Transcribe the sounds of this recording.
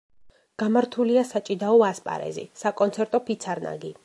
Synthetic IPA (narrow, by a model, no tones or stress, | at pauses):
ɡ̥amaɾt̪ʰuliasat͡ʃʼid̪aɔaspʼa̰ɾɛ̰zḭsakʼɔnt̪sʰɛɾt̪ʼɔpʰit̪sʰaɾna̰ɡi